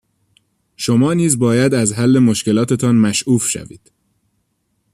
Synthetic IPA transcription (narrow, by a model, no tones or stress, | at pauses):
ʃomɒːniːzbɒːjæd̪æzɦælːe̞moʃce̞lɒːt̪ʰe̞t̪ʰɒːnmæʃʔuːfʃæ̰vḭːd̪̥